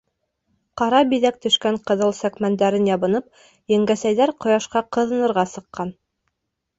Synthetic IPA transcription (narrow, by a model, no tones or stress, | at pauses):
qɑɾɑbiðæk̚t̪ɵ̆ʃkæɴqɤ̆ðɤlˠsækmænd̪æɾɘnjɑβɤ̆nɤp̚ | jæŋɡæsæjðæɾqŏjɑʃqɑqɤ̆ðɤ̆nɤ̆ɾʁɑsɤ̆qːɑn